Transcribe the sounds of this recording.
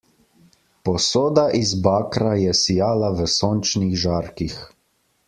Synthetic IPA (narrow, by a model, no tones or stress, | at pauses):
pɔsoːd̪aʔizbaːkɾajɛsijaːlaʋəsoːnt͡ʃniɣʒaːɾkix